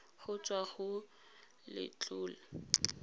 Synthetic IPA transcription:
χʊt͡sʼwaɣʊ | lɪ̰t͡ɬʼʊːla

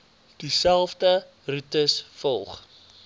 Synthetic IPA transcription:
d̥isælˠfdə | rutəsfɔlˠχ

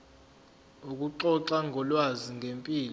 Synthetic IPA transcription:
uk̬ʼuǃɔǁaŋʱɔlwaziŋʱempʼiːlɔ

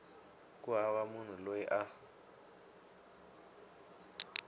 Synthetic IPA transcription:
kʼuawamun̤ulojɛʔa

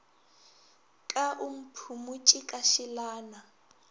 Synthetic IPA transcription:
kʼaʔum̩pʰumut͡ʃʼikʼaʃilaːna

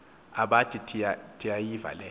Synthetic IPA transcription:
aɓatʰitʰiatʰijajiva̰lɛ

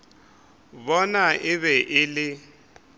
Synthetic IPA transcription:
bɔnaʔɪβɛʔɪlɪ

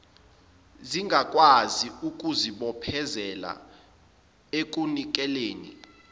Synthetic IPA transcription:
ziŋɡʱak̬ʼwaziuk̬ʼuziɓɔpʰɛzɛla̰ | ek̬ʼunik̬ʼɛleːnḭ

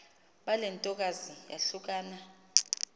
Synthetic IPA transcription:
ɓalɛntʼɔk̬ʼazija̰ɬuk̬ʼaːna

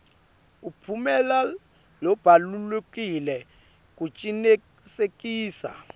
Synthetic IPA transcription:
upʰumɛla | lɔb̥ʱalulekʼilɛ | k̬ʼut͡ʃʼine | sekʼiːsa̰

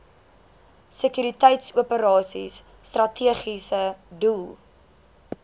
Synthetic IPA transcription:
səkyɾitɛjtsuəpəɾɑːsḭsː | trɐtʰiəχisədulˠ

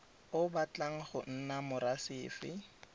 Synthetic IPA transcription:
ʊbat͡ɬaŋ̩χʊn̩namʊɾasɪːfɪ̰

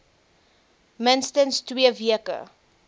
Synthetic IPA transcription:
mənstənstwiəviəkə̰

